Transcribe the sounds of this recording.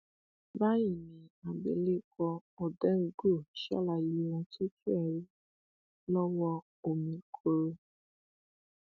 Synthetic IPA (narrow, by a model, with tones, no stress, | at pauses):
ba˦ji˦˨mĩ˨a˨bḛ˨le˦kɔ˧ɔ˨dɛ˦ŋ̩˧˦ɡo˦˨ʃa̰˦la˧ji˧˦˧wɔ̃˧to˦tu˦ɛ˨ɾi˦ | lɔ˦wɔ˧ | o˨mĩ˧kʰo˧ɾo˧